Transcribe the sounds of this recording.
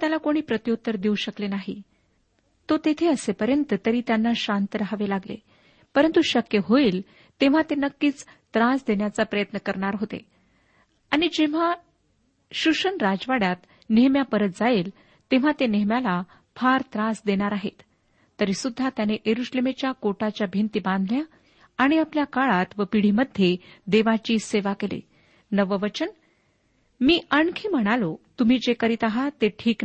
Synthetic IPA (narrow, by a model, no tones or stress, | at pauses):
t̪jalakoɽ̃iːpɾət̪jot̪ːəɾd̪iuɕəklenaɦḭ | t̪ot̪et̪ʰeəsepəɾjənt̪ət̪əɾiːt̪janːaɕant̪ɾaɦaʋelaɡlḛ | pəɾənt̪uɕəkjəɦoiːl | t̪eʋ̤at̪enəkːiːt͡st̪ɾãsd̪eɳjat͡sapɾəjət̪nəkəɾɳaɾɦot̪ḛ | aɽ̃id͡ʑeʋ̤a | ɕuʂənɾad͡zʋaɽat̪ | neɦmjapəɾət̪̚d͡zaeːl | t̪eʋ̤at̪eneɦmjala | fʰaɾt̪ɾasd̪eɽ̃aɾaɦet̪ː | əɾisud̪ʱːat̪janeʔeɾuɕlemet͡ɕjakoʈat͡ɕjabʱent̪ibãnd̪ʱljaː | ɽ̃iapljakaɭat̪ʋəpiɽ̤iːməd̪ʱjed̪eʋat͡ɕiːseʋakelḛ | nəʋəʋət͡ɕən | miːʔəɳkʰiːm̤əɽ̃alot̪um̤iːd͡ʑekəɾit̪aɦat̪eʈʰiːk